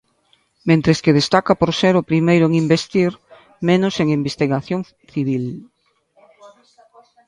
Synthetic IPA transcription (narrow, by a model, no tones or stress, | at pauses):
mẽnt̪ɾeskeðest̪akapoɾseɾʊpɾimejɾʊeŋimbest̪iɾ | menʊseŋimbest̪iɣaθjoŋ | θiβ̞il